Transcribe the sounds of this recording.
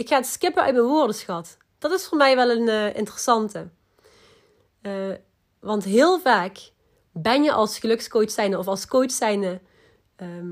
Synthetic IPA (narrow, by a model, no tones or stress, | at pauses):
ɪkxaːətskɪpəʔœ̰ɥt̚mənʋʊːɹdəsxɑt | d̥ɑtɪsfoːɹmɛjʋɛlˠənːʔɪ̰ntərəsɑntə | ʋɑntɦɪːlˠvaːk | bɛnjəʔɑlˠsxəlɵkskojtsɛjnəɔfɑlˠskowtsɛjnə | ə